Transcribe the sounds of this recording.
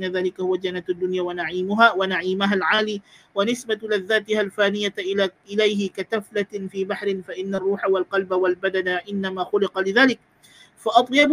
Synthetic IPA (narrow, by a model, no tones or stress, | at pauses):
nːaðaːlɪkahʊwad͡ʒanːat̪ad̪ːʊnjaːwanaʕiːmʊɦaːwanaʕiːmaɦalʕaːliː | wanɪsbalaðːaːt̪ɪhalfaːnɪjaʔɪlajɦɪkat̪aflafiːbaħɾɪnfaʔɪnːarˤːuːħawalqɑlbawalbad̪anaʔɪnːamaːxʊlɪqɑlɪðaːlɪk̚ | faʔɑt̪ˤjɑb